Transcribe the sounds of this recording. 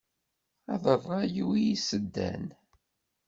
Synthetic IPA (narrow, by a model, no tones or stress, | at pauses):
ɑðˤərˤːɑjiwijisəd̪ːæ̰n